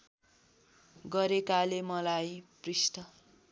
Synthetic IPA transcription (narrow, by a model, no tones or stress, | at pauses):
ɡʌɾekalemʌlajprisʈʌ